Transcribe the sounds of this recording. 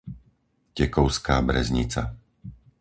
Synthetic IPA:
cɛkɔʊskaːbɾɛ̰zɲit͡sa̰

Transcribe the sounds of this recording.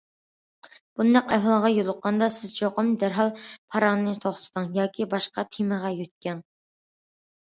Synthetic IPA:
b̥und̪æqæɦlˠʁɑjolˠʊqːɑnd̪ɑsɪzt͡ʃʰoqəmd̪æɾɦɑlˠpʰɑɾɑŋnnɨt̪ʰoχsɨ̥t̪ɨŋjɑːkʲʰibɑʃqɑt̪ʰiməʁɑjøt̪̚kʲɛn

